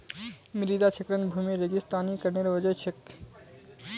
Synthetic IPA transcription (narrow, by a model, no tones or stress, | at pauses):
miɾid̪at͡ʃʰekɾenbʱumiɾeɡist̪anikɐɾneɾʋɐd͡ʑɔjt͡ɕʰek